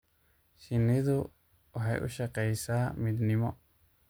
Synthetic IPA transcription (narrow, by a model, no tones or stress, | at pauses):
ʃɪnɪðʊ | wʔɑħɑjʔʊ̰ʃɐqɛjsaːmɪd̪nɪmɔ